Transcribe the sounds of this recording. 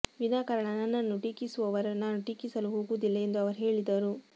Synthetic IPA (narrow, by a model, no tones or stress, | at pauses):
ʋinaːkɐɾɐɳɐnɐnːɐnːuʈiːkisuʋɐʋɐɾɐnːaːnuʈiːkisɐluɦoːɡud̪ilːɐend̪uɐʋɐɾɦe̞ːɭid̪ɐɾu